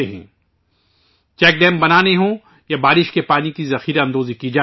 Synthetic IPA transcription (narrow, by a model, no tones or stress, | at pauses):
eɦɛ̰̃ː | t͡ʃɛːk̚ɖɛ̃ːmbɐnaːneɦõː | jabaːɾɪʃkepaːnikizɐxiːɾeɐ̃nd̪oːzikid͡ʒaː